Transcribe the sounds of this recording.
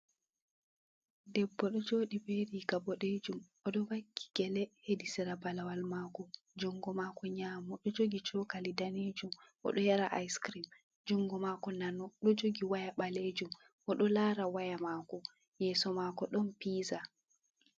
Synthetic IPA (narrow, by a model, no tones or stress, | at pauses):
dɛbːɔɗɔd͡ʒoːɗibeɾiɡabɔɗed͡ʒumʔɔɗɔwakʰːi̥ɡ̥ɛlɛhedisɛɾabalawalmaːkɔ | d͡ʒɔŋɡɔmakɔɲaːmɔɗɔd͡ʒoɡit͡ʃɔkalidaned͡ʒumʔɔ̰ɗɔjaɾaʔajskɾim | d͡ʒuŋɡɔmakɔnanɔɗɔd͡ʒoɡiwajaɓaled͡ʒum | ʔɔɗɔlaːɾawajamakɔ | jɛːsɔmakɔɗɔnpiːza